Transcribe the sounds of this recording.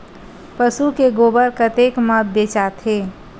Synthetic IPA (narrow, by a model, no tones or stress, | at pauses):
pəsukeɡobəɾkət̪ekməbet͡ʃat̪ʰɦe